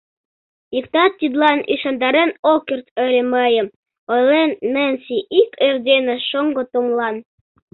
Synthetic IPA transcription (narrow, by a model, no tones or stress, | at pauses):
ikt̪ɑt̪ːid̪lɑnḭʃɑnd̪ɑɾenokʲert̪ə̆lʲĕməjə̆m | ojlenːenʲsʲiʔikerd̪ʲenĕʃoŋɡot̪omlˠɑn